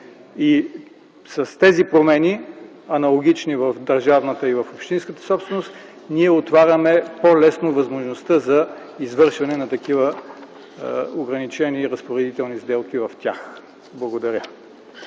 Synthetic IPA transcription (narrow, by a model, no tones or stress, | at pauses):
i | sɐst̪ɛzipɾomɛni | ɐnɐlˠoɡ̟ʲit͡ʃnivɐfd̪ɐɾʒavnət̪əivɐfopʃt̪inskət̪ə̥sɔpst̪vɛnost̪ | niɛot̪vaɾʲəmɛpolɛsnovɐzmoʒnost̪əzɐ | izvɤɾʃvɐnɛnɐt̪ɐkivə | oɡɾɐnit͡ʃɛniɾəspoɾɛd̪it̪ɛlˠnizd̪ɛlˠkivɐft̪ʲja̰x | blˠɐɡod̪ɐɾʲjə